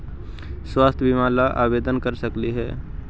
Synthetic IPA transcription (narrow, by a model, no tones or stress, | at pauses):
swaːst̪ʰbimaːlaʔa̰ːbeːd̪ənkəɾsəkliɦɛː